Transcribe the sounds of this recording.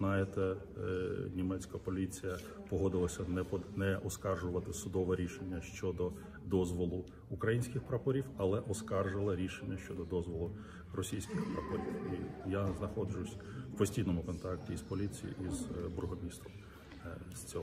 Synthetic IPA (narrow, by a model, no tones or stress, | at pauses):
nɑjet̪ɛ | nʲimɛt͡sʲkɐpɔlʲit͡sʲijɐ | pɔɦɔd̪ɪlˠɐsʲɐnɛnɛʔɔskɑrʒʊʋɐt̪ɪsʊd̪ɔʋɛɾʲiʃenʲːɐʃt͡ʃɔd̪ɔ | d̪ɔzʋɔlˠʊ | ukɾɐjinʲsʲkʲɪxpɾɐpɔɾʲiwɐlˠɛʔɔskɑrʒɪlˠɐɾʲiʃenʲːɐʃt͡ʃɔd̪ɔd̪ɔzʋɔlˠʊ | rɔsʲijsʲkʲɪxpɾɐpɔɾʲiwijaznɐxɔd͡ʒʊsʲwpɔsʲtʲijnɔmʊkɔnt̪ɑk̚tʲiispɔlʲit͡sʲḭjḭʔizbɾʊɦɔmʲist̪ɾɔm | sʲt͡sʲɔ